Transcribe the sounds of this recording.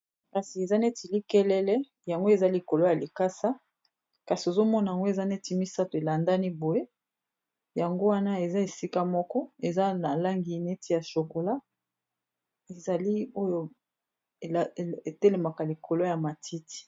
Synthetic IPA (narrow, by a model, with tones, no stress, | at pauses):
ka˨si˨e˨za˦ne˦ti˨li˦kɛ˦lɛ˦lɛ˦ | ja˨ŋɡo˦e˨za˦li˨ko˨lo˦ja˨li˨ka˦sa˦ | ka˨si˨o˨zo˦mɔ˦na˨ja˨ŋɡo˦e˨za˦ne˦ti˨mi˦sa˦to˨e˨la˨nda˦ni˦bo˨je˦ | ja˨ŋɡo˦wa˦na˦e˨za˦e˨si˦ka˦mɔ˦kɔ˦e˨za˦na˨la˦ŋɡi˨ne˦ti˨ja˨ʃo˨ko˨la˦ | e˨za˨li˦o˦jo˦˨ | a˨e˨tɛ˦le˨ma˨ka˨li˨ko˨lo˦ja˨ma˨tʰi˦ti̥˨